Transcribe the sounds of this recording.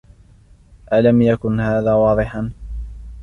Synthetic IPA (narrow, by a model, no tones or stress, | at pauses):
ʔalamjakʊnhaːðaːwɑːðˤɨħɑn